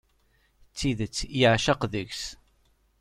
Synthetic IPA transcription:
t͡sːiðət͡sːiʕaʃaqðəʝs

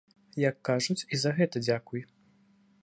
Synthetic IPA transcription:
jɐkːaʐut͡sʲizɐɣɛt̪ɐd͡zʲakuj

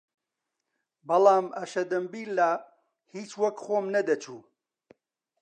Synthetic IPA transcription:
bɐlˠɑːmɐʃɐd̪ɐmbiːlːaː | hiːt͡ʃwɐkχoːmnɐd̪ɐt͡ʃʰuː

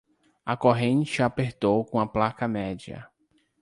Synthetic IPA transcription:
ɐkoɦẽnt͡ʃɪapeɾt̪owkõɐplakɐmɛd͡ʒiɐ̰

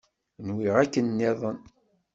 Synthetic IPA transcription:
nwiʁækːənːeðˤən

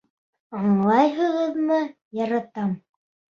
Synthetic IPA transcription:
ɑɴlˠɑjɦɤ̆ʁɤ̆ðmɤ | jɑɾɑt̪ɑm

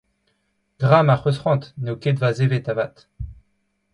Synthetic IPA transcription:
ɡ̥ʁamaχøsχɑ̃t̪neoket̪vazevet̪avat̪

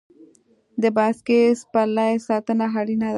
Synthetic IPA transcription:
d̪ebaskespalaesat̪ənaɦaɽinad̪

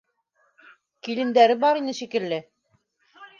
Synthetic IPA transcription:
kilɘ̆nd̪æɾɘbɑɾinɘʃikɘ̆lːɘ

